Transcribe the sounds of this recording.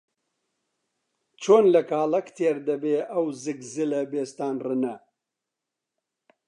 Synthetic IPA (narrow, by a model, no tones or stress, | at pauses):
t͡ʃʰoːnlɐkaːlɐkt̪ʰeːɾd̪ɐbeːʔɐwzɨkzɨlɐbeːst̪aːnrɨnɐ